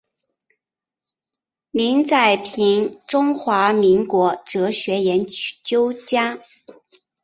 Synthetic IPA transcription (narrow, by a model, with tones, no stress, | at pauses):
mi˧˥ŋt͡sa˥˩ɪpʰi˧˥nʈ͡ʂʊ˥ŋxwa˧˥mi˧˥ŋkwɔ˧˥ʈ͡ʂɤ˧˥ɕɥɛ˧˥jɛ˧˥nt͡ɕjo˥ʊt͡ɕja˥